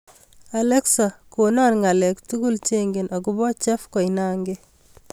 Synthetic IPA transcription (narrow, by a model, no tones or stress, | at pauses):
alɛksakonanŋalɛktukult͡ʃeŋɡenʔɔkubɔt͡ʃɛfkɔinaːŋɡe